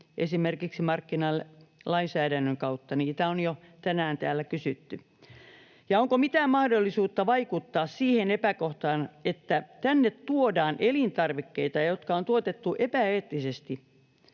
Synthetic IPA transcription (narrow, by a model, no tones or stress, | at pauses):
ʔesimerkiksimɑrkːinɑlːelɑinsæːdænːøŋkɑut̪ːɑniːt̪æonjo | t̪ænæːnt̪æːlːækysyt̪ːy | jɑoŋkomit̪æːmmɑhdolːisuːt̪ːɑʋɑikut̪ːɑːssiːhenepækoht̪ɑːnet̪ːæt̪ænːet̪tːuodɑːnʔelint̪ɑrʋikːeit̪ɑjot̪kɑont̪uot̪et̪ːuʔepæeːt̪ːisest̪i